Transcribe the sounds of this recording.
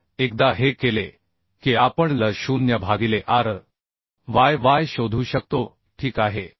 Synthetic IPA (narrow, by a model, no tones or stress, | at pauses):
ekd̪aɦekele | kiapəɳləɕuːnjəbʱaɡileʔaɾ | ʋajʋajɕod̪ʱuːɕək̚t̪o | ʈʰiːkaɦe